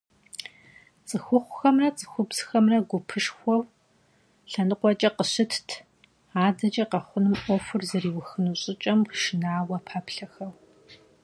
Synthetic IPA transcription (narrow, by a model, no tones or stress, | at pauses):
t͡sʼɨxʷʊχʷʊxɐmrɐt͡sʼɨ̥xʷʊbz̥xɐmrɐɡʷʊpʰɨʃxʷɔw | ɬɐnɨqʷɔt͡ʃʼɐqəɕɨtʰtʰ | aːdɐt͡ʃʼɐqɐχʷʊnɨmʔʷɔfʷʊrzɐriːwʊxɨnuɕʼɪt͡ʃʼɐmʃɪnaːwɐpʰaːpɬɐxɐw